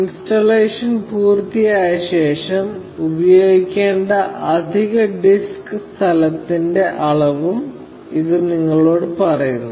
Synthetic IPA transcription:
instɐleːʂɐnpuːrt̪ijaːjɐɕe̞ːʂɐm | ubɐjo̞ːɡikʲːe̞ːɳɖɐʔɐd̪ʱiɣɐɖiskɨst̪ʰɐlɐt̪ːinde̞ʔɐɭɐʋum | iðɨniŋːɐɭo̞ːɽɨpɐrɐjunːu

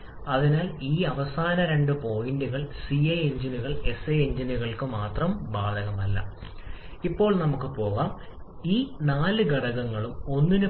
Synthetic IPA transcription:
ɐðinaːliːɐʋɐsaːnɐɾe̞ɳɖɨpo̞ːjindiɣɐɭsiɐjeɲd͡ʑiniɣɐɭe̞seeɲd͡ʑiniɣɐɭkɨmaːt̪rɐmbaːd̪ʱɐɣɐmɐlːɐ̰ | ipːo̞ːɭnɐmukːɨpo̞ːɣaːm | iːnaːlɨɡɐɽɐɣɐŋːɐɭumo̞nːinɨ

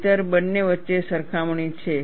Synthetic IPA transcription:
t̪əɾbənːeʋətːʃesəɾkʰamɳit͡ʃʰe

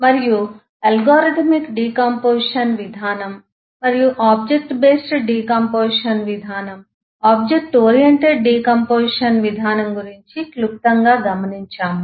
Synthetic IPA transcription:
mɐɾiju | ɐlɡaːɾiʈ̪ʰmikɖiːkɐmpoːʃɐnʋid̪ʱaːnɐm | mɐɾijuʔaːb̚d͡ʒek̚ʈbeːsʈɖiːkɐmpoːʂɐnʋid̪ʱaːnɐm | aːb̚d͡ʒek̚ʈoːɾijeɳʈeɖɖiːkɐmpoːʂɐnʋid̪ʱaːnɐmɡuɾiɲt͡ʃikluk̚t̪ɐŋɡaːɡɐmɐniɲt͡ʃaːm

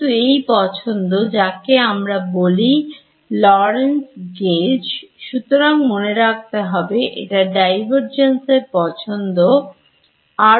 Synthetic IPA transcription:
uejpɔt͡ɕʰond̪od͡ʑakeamɾaboli | lɔɾensɡed͡ʑʃut̪oɾaŋmoneɾak̚t̪eɦɔbeʔḛʈaɖajbʱaɾd͡ʑenseɾpɔt͡ɕʰond̪o | a

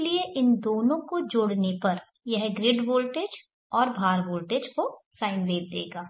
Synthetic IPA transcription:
lieʔɪnd̪oːnõkod͡ʒoːɽnepɐɾ | jɛɦɡɾɪɖboːlʈeːd͡ʒ | ɔːɾbʱaːɾboːlʈeːd͡ʒkosaːɪnʋeːb̚d̪ḛːɡaː

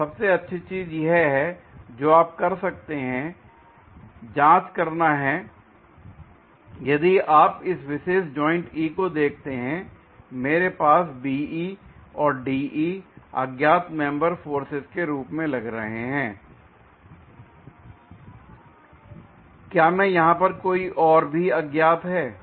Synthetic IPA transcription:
sɐbseɐtːʃʰit͡ʃiːzjɦɛɦɛd͡ʒoːaːp̚kɐɾsɐk̚t̪eɦɛ̃ | d͡ʒãːt͡ʃkɐɾnaɦɛː | jɐd̪iaːpɪsʋɪʃeːsd͡ʒɔːɪ̃ɳʈiːkod̪eːk̚ʰt̪eɦɛ̃ | meːɾepaːsbiːiɔːɾɖiːʔiːɐ̰ɡjaːt̪mɛ̃mbəɾfoːɾsɪzkeɾuːpmẽlɐɡɾɐɦeɦɛ̃ː | kjaːmɛ̃jɐɦãpɐɾkoːiʔɔːɾbʱiɐɡjaːt̪ɦɛː

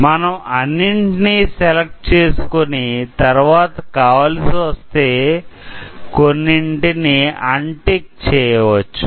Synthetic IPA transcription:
mɐnɐmɐnːiɳʈinisɛlɐk̚ʈ̚t͡ʃeːsu̥konit̪ɐɾʋaːt̪ɐkaːʋaːlɐsiʋɐst̪eː | konːiɳʈiniɐɳʈik̚t͡ʃɛːjɐʋɐt͡ʃːu̥

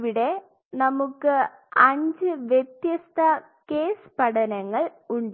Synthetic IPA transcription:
ʋiɽe̞ | nɐmukːɨ | ɐɲd͡ʑɨʋjet̪jɐst̪ʰɐ | ke̞ːspɐɽɐnɐŋːɐɭuɳɖ

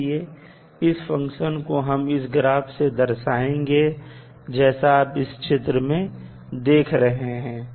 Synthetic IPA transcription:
ie | ɪsfɐ̃ŋkʃənkoɦɐmɪsɡɾaːbsed̪ɐɾʃaːẽːŋɡe | d͡ʒɛːsaaːpɪst͡ʃʰɪt̪ɾəmẽ | d̪eːkʰɾɐɦeɦɛ̃ː

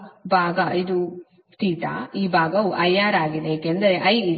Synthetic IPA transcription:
bʱaːɡɐid̪u | t̪iːʈa̰iːbʱaːɡɐuʔɐjːaːɾaːɡid̪eeːkeɐnd̪ɐɾeʔɐj

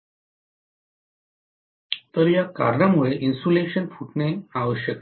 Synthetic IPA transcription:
t̪əɾjaka̰ɾɳamuɭeʔinsuleɕənfuʈneaʋəɕjək

